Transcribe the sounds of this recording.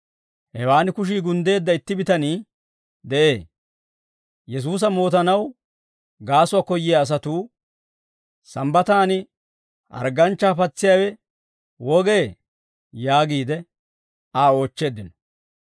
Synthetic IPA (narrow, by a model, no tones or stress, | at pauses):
hɛwaːnɪkʊʃ̬iːɡʊnd̪e̞ːd̪ːɐɪt̪ːɪbɪt̪ɐniː | d̪ɛʔe̞ː | jɛs̬uːs̬ɐmo̞ːt̪ɐnɐw | ɡaːsʊaːkɔjːɪjaːs̬ɐt̪uː | sɐmbɐt̪aːnɪ | ʔɐ̰ɾɡɐnt͡ʃːaːpɐt͡sːɪjaːwɛ | wɔɡe̞ː | jaːɡiːd̪ɛ | aːo̞ːt͡ʃːe̞ːd̪ɪnɔ̥